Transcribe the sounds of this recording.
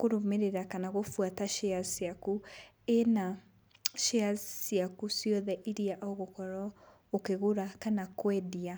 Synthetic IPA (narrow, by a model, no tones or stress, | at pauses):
koɾomeɾeɾakanaɣofwataʃeasjaku | ena | ʃeassjakusiɔðɛʔiɾiaʔoɣokɔɾa | okeɣoɾakanakwɛdia